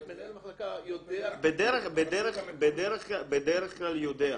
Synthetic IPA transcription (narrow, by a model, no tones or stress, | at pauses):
bed̪eʁeχbed̪eʁeχbed̪eʁeχklabed̪eʁeχklaljod̪ea